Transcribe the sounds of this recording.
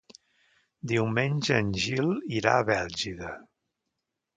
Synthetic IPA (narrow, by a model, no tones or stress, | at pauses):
d̪iwmenʲʒəːnʲʒilˠiɾa̰əβɛlˠʒiðə